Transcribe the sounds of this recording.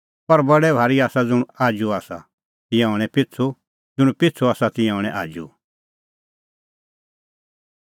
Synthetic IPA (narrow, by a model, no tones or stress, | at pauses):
pɐɾbɐɽɛbʱaːɾiaːsad͡zʊɽ̃uaːd͡ʒuaːsa | t̪ɪ̃jɛ̃ɦɔɽ̃ɛ̃pɪtt͡sʰu | d͡zʊɽ̃ũpɪtt͡sʰuaːsat̪ɪ̃jɛ̃ɔːɽ̃ɛ̃ʔa̰ːd͡ʒṵ